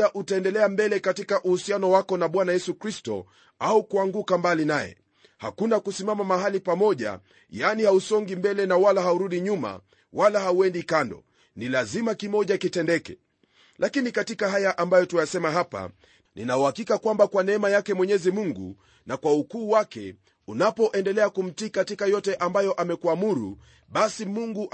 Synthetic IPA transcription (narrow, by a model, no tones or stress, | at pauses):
aʔutaɛndɛlɛambɛlɛkatikaʔuhusianɔwakɔnaɓwanajɛsukɾistɔ̰ | aukuaŋɡukambalinajɛ̰ | ha̰kunakusimamamaɦalipamɔʄa̰ | janihausɔŋɡimbɛlɛnawalaɦauɾuɗiɲuma̰ | wʔalahauɛndikandɔ̰ | nilazimakimɔʄakitɛndɛkɛ̰ | lakinikatikaɦajaʔambajɔtujasɛmaɦapa̰ | nḭnauhakikakwambakwanɛɛmajakɛmwɛɲɛzimuŋɡṵ | nakwaukuːwakɛ̰ | unapɔʔɛndɛlɛakum̩tikatikajɔtɛʔambajɔʔamɛkuamuɾṵ | ɓasimuŋɡu